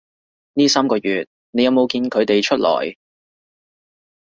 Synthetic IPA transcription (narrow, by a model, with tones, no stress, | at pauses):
niː˥saː˥mkɔː˧jyː˨t̚ | ne˨˧jɐ˨˧wmo˨wkiː˧nkʰɵ˨˧ɥt̪e˨jt͡ʃʰɵ˥t̚lɔ̰ː˨˩j